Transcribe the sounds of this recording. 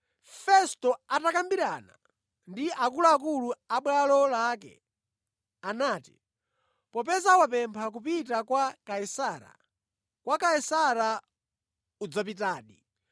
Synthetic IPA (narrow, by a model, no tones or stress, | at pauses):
fɛstɔatakambiɾana̰ | ndiʔakuluakuluaɓwalɔlakɛ̰ | anaːtḭ | pɔp̬ɛzawap̬ɛmpʰak̬upitakwakaisaːɾa̰ | kwakaisaɾa | ud͡zap̬itaːɗi